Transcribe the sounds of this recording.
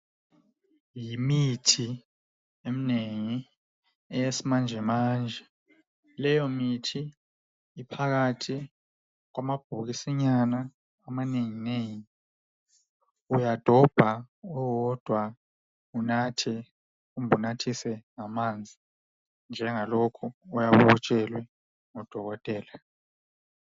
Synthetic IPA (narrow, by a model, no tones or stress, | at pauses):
jimitʰi | emineŋi | ɛjesimand͡ʒʱɛmaːnd͡ʒʱɛ | lɛjomitʰiː | pʰak̬atʰi | k̬wamab̥ʱuk̬isiɲanaː | maneŋineji | ujad̥ʱɔb̥ʱawɔd̥ʱwa | unatʰɛ | umbʱunatʰisɛŋamand͡zʱi | nd͡ʒʱɛŋalɔkʰɔujaβɔt͡ʃʼɛlwɛ | ŋɔd̥ʱɔɣɔtʼɛːla